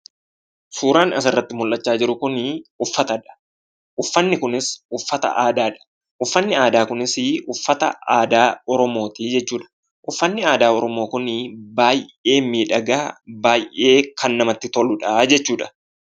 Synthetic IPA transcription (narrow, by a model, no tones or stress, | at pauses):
suːɾaːnɐsɐrːɐt̪ːɪmʊlʔːɐt͡ʃːaːd͡ʒɪɾʊkʊnʊfːɐt̪ɐᶑ̪ɐ̥ | ʔʊfːɐnːɪkʊnɪsʊfːɐt̪ɐ̰ʔaːd̪aːᶑɐ̥ | ʔʊfːɐnːɪaːd̪aːkʊnɪsɪʊfːɐt̪ɐaːd̪aːɔɾɔmo̞ːt̪iːd͡ʒɛt͡ʃːuːᶑɐ̥ | ʔʊfːɐnːɪaːd̪aːɔɾɔmo̞ːkʊnɪbaːje̞ːmiːᶑɐɡa̰ːbaːjʔe̞ːkɐnːɐmɐt̪ːɪt̪ɔlʊᶑɐd͡ʒɛt͡ʃːuːᶑɐ̥